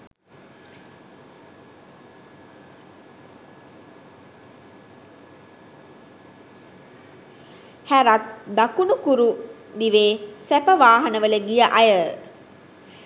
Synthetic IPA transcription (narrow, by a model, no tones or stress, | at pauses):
hæɾat̪d̪akunukuɾu | niʋeːsæpəʋaːɦɐnəʋələɡijəʔajə